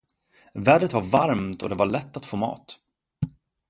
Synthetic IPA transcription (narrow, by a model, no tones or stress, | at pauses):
væːɖət̪vaɾvaɾmt̪ʰɔ̰d̪ɛvaɭɛt̪ːat̪foːmɑ̰ːt̪